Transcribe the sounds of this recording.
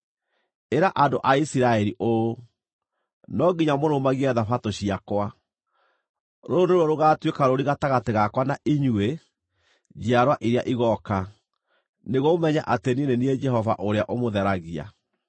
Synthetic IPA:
eɾaʔandoʔaisiɾaɛɾiʔo | nɔɡiɲamoɾomaɣiɛðafatoɕiakwa | ɾoːndoɾwɔɾoɣaːtwekaɾoɾiɣataɣateɣakwanaʔiɲue | d͡ʒeaɾwaʔiɾeaʔiɣɔka | neɣomɛɲaʔateninenied͡ʒɛhɔva̰ʔoɾeaʔomoðɛɾaɣia̰

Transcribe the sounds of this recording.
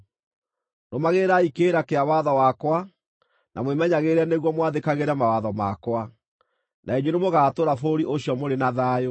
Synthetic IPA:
nomaɣeɾaikeːɾakeawaðɔwakwa | nʔa̰mwemɛɲaɣeɾɛneɣwɔmwaðekaɣeɾɛmawaðɔma̰kwa | naeɲwenemoɣaːtoɾafoɾiʔoɕjɔmoɾenaðaːjo

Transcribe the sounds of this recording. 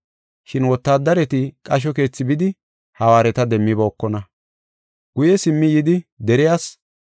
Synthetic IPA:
ʃɪnwɔt̪ːaːd̪ːɐɾɛt̪ɪkʼɐʃ̬ɔke̞ːt͡sːɪbɪd̪ɪ | hɐwaːɾɛt̪ɐd̪ɛmːɪbɐɔkːɔnɐ | ɡ̥ʊjɛsɪmːɪjɪd̪ɪd̪ɛɾɪjaːs

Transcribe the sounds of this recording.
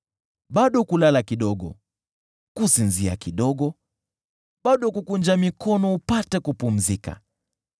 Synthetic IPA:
ɓaɗɔkulalakiɗɔɠɔ̰ | kusinzia̰kiɗɔɠɔ | ɓaɗɔkukund͡ʒamikɔnɔupatɛkupum̩zika̰

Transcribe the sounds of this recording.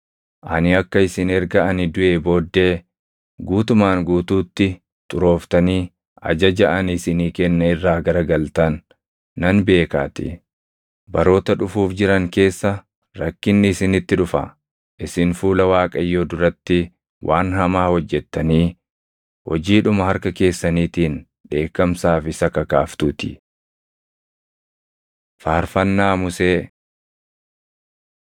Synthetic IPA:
ʔɐnɪɐkːɐɪsɪnɛɾɡɐɐnɪd̪ʊʔe̞ːbo̞ːd̪ːe̞ː | ɡuːt̪ʊmaːŋɡuːt̪uːt̪ːɪ | t̪ʼʊɾo̞ːft̪ɐniː | ɐ̰d͡ʒɐd͡ʒɐʔɐnɪsɪniːkɛnːɐɪrːaːɡɐɾɐɡɐlt̪ɐnː | ɐnbe̞ːka̰ːt̪ɪ̰ | bɐɾo̞ːt̪ɐᶑʊfuːfd͡ʒɪɾɐŋke̞ːsːɐ | ɾɐkːɪnːɪːsɪnɪt̪ːɪᶑʊfɐ̰ | ʔɪsɪnfuːlɐwaːkʼɐjːoːd̪ʊɾɐt̪ːɪ | wʔa̰ːnhɐmaːhɔd͡ʒːɛt̪ːɐniː | hɔd͡ʒiːᶑʊmɐhɐɾkɐke̞ːsːɐniːt̪iːn | ᶑe̞ːkːɐmsaːfɪsɐkɐkaːft̪uːt̪ɪ̥ | faːɾfɐnːaːmʊseː

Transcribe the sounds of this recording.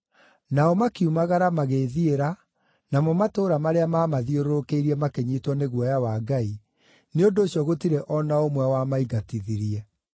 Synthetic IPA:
naɔmakiumaɣaɾamaɣeðieɾa | namɔmatoːɾamaɾeamamaðioɾookeiɾiɛmakeɲitwɔneɣwɔjawaɡai | neondoːsjɔɣotiɾɛʔɔnaomwɛwamaiɡatiðiɾiɛ

